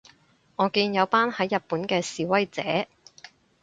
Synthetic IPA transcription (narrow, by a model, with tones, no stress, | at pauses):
ŋɔː˨˧kiː˧njɐ˨˧wpaː˥nhɐ˨˥jːɐ˨t̚puː˨˥nkɛː˧siː˨˧wɐ˥jt͡sɛː˨˥